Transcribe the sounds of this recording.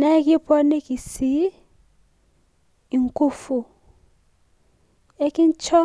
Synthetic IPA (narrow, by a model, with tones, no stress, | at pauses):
na˦k̬ʼi˦bʼɔ˦ne˦k̬ʼi˨si˦˨ | ŋkʼu˦fu˨ | e˦kʼi˦nt͡ʃʰɔ˦